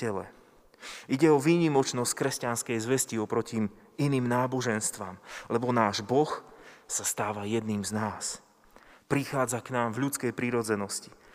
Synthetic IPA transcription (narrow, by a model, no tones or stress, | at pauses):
ɛlɛ̰ | ʔiɟɛɔʋiːɲimɔt͡ʃnɔsc̚kɾɛscanskɛjzʋɛsciɔpɾɔci | iniːmnaːbɔʒɛnst̪ʋa̰mlɛbɔnaːʒbɔxsast̪aːʋajɛd̪niːmznaːs | pɾixaːd͡zaknaːmvʎut͡skɛjpɾiɾɔd͡zɛnɔsci̥